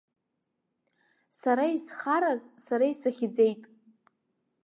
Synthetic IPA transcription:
saɾaisχaɾazsaɾaisaχʲid͡ze̞jtʼ

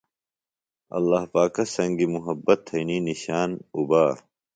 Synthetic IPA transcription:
ɐ̰lːaːɦpaːkɐsɐ̃ŋɡimuɦɐbːɐt̪ʰːɐjniːniɕaːnubaː

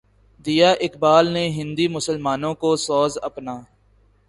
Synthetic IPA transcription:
d̪ijaːʔɪkbaːlneɦɪ̃nd̪imʊsəlmaːnõkosɔːzɐpnaː

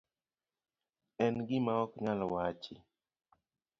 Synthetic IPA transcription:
ɛnɡɪmaɔkɲalwat͡ʃɪ̰

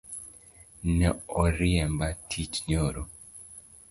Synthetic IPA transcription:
nɛɔɾiɛmbatʰitɲoɾo

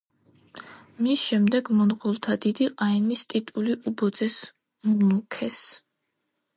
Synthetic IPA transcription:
misʃɛmd̪ɛɡmɔnqʼulˠt̪ʰad̪id̪iqʼaɛnist̪ʼit̪ʼuliʔubɔd̪zɛs | munukʰɛs

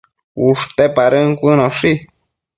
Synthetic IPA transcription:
uʂt̪epaɾɨŋkʷɨnoʂi

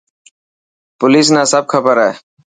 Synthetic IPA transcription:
pʊliːs̬nãːsəb̚kʰəbəɾae

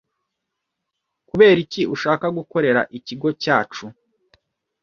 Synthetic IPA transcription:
kuβe̞ːɾiciʔuʃaːkaɡuko̞ɾe̞ɾa̰ʔiciɡo̞caːt͡ʃu

